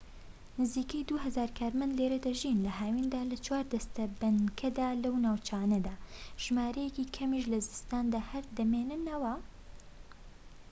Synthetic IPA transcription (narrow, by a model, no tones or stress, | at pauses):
nɨziːkɐjd̪uɦɐzaːɾkʰaːɾmɐnd̪leɾɐd̪ɐʒinlɐɦaːwind̪aːlɐt͡ʃʰwaːɾd̪ɐst̪ɐbɐnkʰɐd̪aːlɐwnaːwt͡ʃʰaːnɐd̪aːʒ̥maːɾɐjɛkiːkʰɐmiʃ̬lɐzɨst̪aːnd̪aːhɐɾd̪ɐmeːnɨnɐwɐ